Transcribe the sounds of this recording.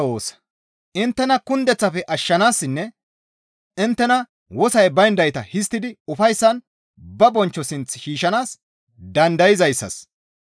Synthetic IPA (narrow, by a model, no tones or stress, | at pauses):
oːsɐ̥ | ʔɪnt̪ːɛnɐkʊnd̪ɛt͡sːɐfɛʔɐʃːɐnaːsːɪnːɛ | ɪnt̪ːɛnɐ | wɔsɐjbɐjnd̪ɐjt̪ɐhɪst̪ːɪd̪ɪʊfɐjsːɐn | bɐbɔnt͡ʃːɔsɪnt͡sʃiːʃɐnaːs | d̪ɐnd̪ɐjɪzɐjsːɐ̰s